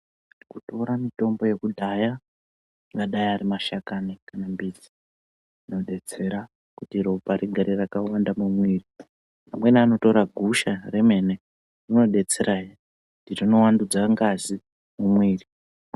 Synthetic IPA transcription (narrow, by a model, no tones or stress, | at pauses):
ikuto̞ɾamito̞mbo̞je̞kudʱaja | ŋɡaɗajaɾimaʃakanekanambid͡zi̥ | ino̞ɗe̞t͡se̞ɾa | kutiropaɾiɡʱaɾirakawandamumwiːri | pamwe̞niano̞to̞ɾaɡʱuʃare̞me̞ne̞ | rino̞ɗe̞t͡se̞ɾaji | kutirino̞wandud͡zaŋɡazi | mumwiːri